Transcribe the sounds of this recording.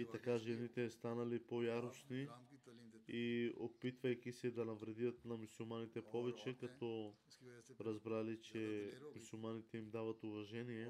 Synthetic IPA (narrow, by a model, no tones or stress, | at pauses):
it̪ɐkaʒɛnit̪ɛst̪anɐlipojaɾosni | iopit̪vɐjk̟isɛd̪anɐvɾɛd̪ijət̪nɐmusulˠmanit̪ɛpʰɔvɛt͡ʃɛkat̪ɔ | ɾazbɾalit͡ʃɛmusulˠmanit̪ɛimd̪avɐt̪uvɐʒɛnijɛ